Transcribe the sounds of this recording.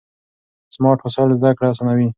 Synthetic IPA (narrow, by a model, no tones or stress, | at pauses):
smɑʈxʊsɑlzd̪akɽas̬ɑnawi